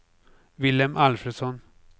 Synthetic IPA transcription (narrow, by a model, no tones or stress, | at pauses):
vɪlɛmʔɑlfɾəsɔn